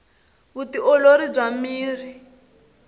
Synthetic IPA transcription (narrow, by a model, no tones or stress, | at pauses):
utiɔloɾib͡ʐamiːri